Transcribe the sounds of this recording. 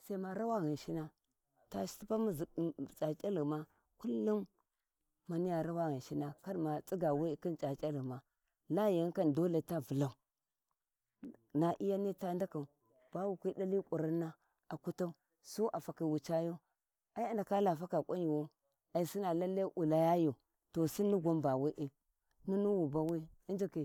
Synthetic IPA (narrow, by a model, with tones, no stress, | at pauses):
sa˦i˦ma˦ɾa˦wa˦ɣi˨nʃi˦na˦ | ta˨si̥˦ti˦pa˦m˦zt͡sa˨t͡ʃʼa˦li˨ma˦ | ku˦lːu˦mː | a˨ni˦ja˨ɾa˦wa˦ɣi˨n˨ʃi˦na˨ka˦dma˨t͡sʼi˦ɡa˨we˦˨ki˦nt͡ʃa˨t͡ʃʼa˦li˨ma˨ | la˦ja˨ŋ˦ka˦ndo˦le˨ta˦vu˨la˦u˨ | na˨ʔi˦ja˦ni˦ta˦nda˦ka˨u˨ | b̥a˦wu˨kʷi˦da˦li˦kʷʼu˨ɾa˦nːa˦ | a˨ku˦ta˦u˦ | su˦ʔa˨fa˨ki˨wu˨t͡ʃa˦jo˦ | a˨i˦a˨nda˨ka˦la˨fa˦ka˨kʷʼa˦ɲi˨wo˦ | a˨i˨si˦na˨la˦lːa˦ʔu˨la˨ja˦jo˨ | to˨si˦ni˦ɡʷa˦mba˨wi˦ʔi˨ | nu˦nu˦wu˨ba˦wi˦a˦nd͡ʒi˨ki˨